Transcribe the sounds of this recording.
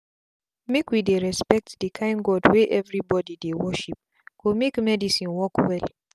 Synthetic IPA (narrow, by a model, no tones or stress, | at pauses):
mekwideɹɛspɛk̚tdikʰãɪ̃nɡɔdweʔɛvɹibɔdidewɔʃip̚ | komekmɛdisĩnwɔkwɛl